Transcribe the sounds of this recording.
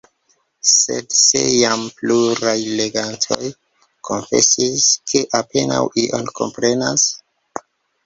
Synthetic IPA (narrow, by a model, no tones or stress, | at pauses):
se̞̰dse̞̰jampluɾajle̞ɡantʰo̞j | kʰo̞nfe̞̰siskʰe̞ʔape̞na̰wʔiʔonkʰo̞̰mpɾe̞nas